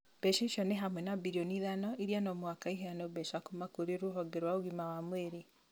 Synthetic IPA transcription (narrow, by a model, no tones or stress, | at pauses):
b̥ɛʃiʃɔneɦamwɛnabiɾioniðanɔiɾianɔmwakaiɦɛanobɛʃakomakoɾeɾoɦɔɡɛɾwaoɣimawamweɾe